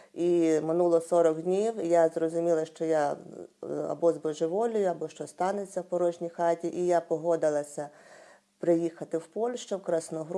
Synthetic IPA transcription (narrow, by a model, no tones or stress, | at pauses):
imɪnulˠɔsɔɾɔɡdʲnʲiwjazrɔzʊmʲilˠɐʃt͡ʃɔja | ɐ̰bɔzbɔʒɪʋɔlʲʊjʊɐbɔʃt͡ʃɔst̪ɑnet͡sʲːɐwpɔɾɔʒnʲijxɑtʲiʔijapɔɦɔd̪ɪlˠɐsʲɐ | pɾɪjixɐt̪ɪwpɔlʲʃt͡ʃɛwkɾɐsnɔɦɾ